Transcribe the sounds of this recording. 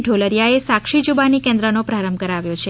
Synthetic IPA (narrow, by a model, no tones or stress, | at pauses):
ɖʱoləɾjaesakʃid͡ʒubanikẽnd̪ɾənopɾaɾəmkəɾaʋjot͡ʃʰe